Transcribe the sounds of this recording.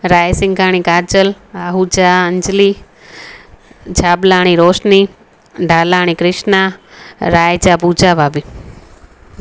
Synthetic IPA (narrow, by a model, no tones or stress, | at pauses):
ɾaːjsɪŋkaːɽ̃ikaːɾd͡ʒəl | aɦud͡ʒaəɲd͡ʒli | d͡ʒaːblaːɽ̃iɾoːʃni | ɖʱaːlaːɽ̃ikɾɪʃnaɾaːjd͡ʒapuːd͡ʒabʱaːbʱi